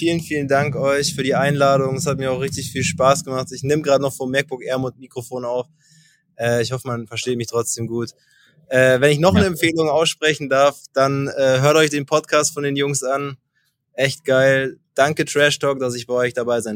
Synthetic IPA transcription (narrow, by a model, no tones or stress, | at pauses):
fiːlənfiːləndaŋkʔɔʏçfyːɐɾiːʔaɪnlaːɾʊŋɛshat̚miːɐaʊχʁɪçtɪçfiːlʃpaːsɡ̥əmaχtɪçnɪməɡʁaːdənɔχfɔmːɛk̚b̥ʊkʔɛɐmʊtmiːkʁ̥ofoːnaʊf | ʔɛːɪçhɔfəmanfɛɐʃteːtmɪçtʁ̥ɔt͡sd̥eːmɡuːt | ʔɛːvɛnɪçnɔχnəɛmfeːlʊŋʔaʊsʃpʁ̥ɛçn̩daɐfd̥anɛːɦøːɐtɔʏçd̥eːnpʰɔtkʰaːstfɔndeːnjʊŋsʔan | ʔɛçt̚ɡ̥aɪld̥aŋkətʁ̥ɛʃtɔːk̚d̥as̬ɪçb̥aɪɔʏçd̥abaɪzaɪn